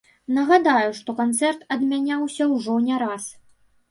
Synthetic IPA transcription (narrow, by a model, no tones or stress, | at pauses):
nɐɣad̪ajuʂt̪ɔkant̪sɛrt̪ɐd̪mʲanʲawsʲɐwʐɔnʲɛɾas